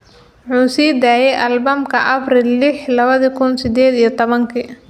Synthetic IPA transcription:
ʊħuːsiːd̪aːjɛjʔɐlbɐmkʰɐʔɐbrilːɪħlɐβɐðɐkʰʊnsɪd̪ɛːd̪ijɔt̪ʰɔβɐŋkʰiː

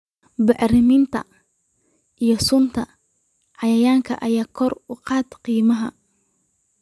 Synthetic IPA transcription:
bɑʕrɪmɪnt̪ʰɐ̰ | ʔijɞsʊnt̪ʰɐ | ʕɑjɐjaːŋkʰɐʔɐjaːkʰɔrʊqɑːd̪qiːmɐɦɐ̰

